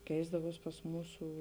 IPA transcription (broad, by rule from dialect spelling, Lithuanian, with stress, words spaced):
ˈkʲɛɪzdɐʋuɔs pɐs ˈmuːsuː